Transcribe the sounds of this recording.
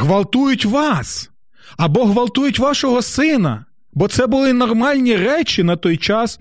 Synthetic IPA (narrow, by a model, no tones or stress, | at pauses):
ɦʋɐlˠt̪ujʊtʲʋɑs | ɐbɔɦʋɐlˠt̪ujʊtʲʋɑʃɔɦɔsɪnɐ̰ | bɔt̪sɛbʊlˠɪnɔrmɑlʲnʲirɛt͡ʃɪnɐt̪ɔjt͡ʃɑs